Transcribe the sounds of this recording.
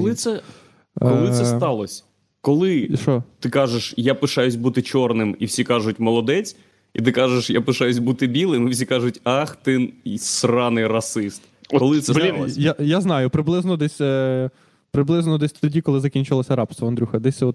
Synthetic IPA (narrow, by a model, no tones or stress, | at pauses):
kɔlˠɪt̪sɛ | kɔlˠɪt̪sst̪ɑlˠɔsʲ | kɔlˠɪʃɔt̪ɪkɑʒeʃjapɪʃajʊsʲbut̪ɪt͡ʃɔrnɪmiwsʲikɑʒʊt̚ʲmɔlˠɔd̪ɛt͡sʲ | it̪ɪkɑʒeʃjapɪʃɑjʊs̬ʲbut̪ɪbʲilˠɪmiwsʲikɑʒʊtʲɑxt̪ɪnsrɑnɪrɐsɪst̪ | kɔlˠɪsɛijajaznɑjʊpɾɪblˠɪznɔd̪ɛsʲ | pɾɪblˠɪznɔd̪ɛsʲt̪ɔdʲikɔlˠɪzɐkʲinʲt͡ʃɪlˠɔsʲɐɾɑpst̪ʋɐɐnd̪ɾʲuxɐd̪ɛsʲt̪sɛɔt̪